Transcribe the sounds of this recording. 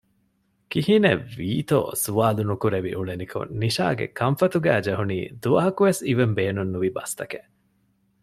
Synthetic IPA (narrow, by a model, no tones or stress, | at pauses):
kihineʋiːt̪o̰ːsuʋaːlunukuɾeʋḭʔuɭenikʰo̰nniʃa̰ːɡḛkʰɐɱfɐt̪uɡæːd͡ʒɐɦunḭːd̪uʋɐɦɐkuʋesiʋembeːnunːuʋibɐst̪ɐkeʔ